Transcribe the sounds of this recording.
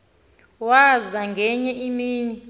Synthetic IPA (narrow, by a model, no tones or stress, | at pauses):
wazaŋɡʱɛɲɛʔimiːni